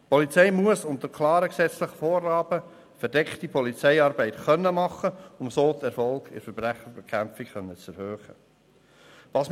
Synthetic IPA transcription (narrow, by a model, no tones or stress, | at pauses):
pʰɔlit͡sɛɪmuəsʊntəɾkʰlɑːɾəksɛt͡sləχəfoːɾːɑːb̥ə | fəɾdɛkχtipʰɔlit͡sɛɪɑːɾbɛɪtχœnːəmɑχːəʊmsoːtɛɾfɔlkɪ̰ɾfəɾb̥ɾæχəɾbɛkʰæmfikχœnːət͡sɛɾhøːχə | ʋɑːsm